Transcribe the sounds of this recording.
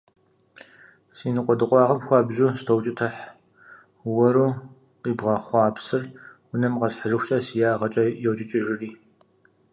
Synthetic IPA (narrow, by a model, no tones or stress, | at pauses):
siːnɨqʷʼɔdɨqʷʼɑːʁɐmxʷɑːbʑuːstʰɐwt͡ʃʼɪtʰɐħ | wɐɾuː | qiːbʁɐχʷɑːpsɨrwʊnɐmʁɐzħaʒɨxʷt͡ʃʼɐsijaːʁɐt͡ʃʼɐjɛwt͡ʃʼɪt͡ʃʼɪʒɪriː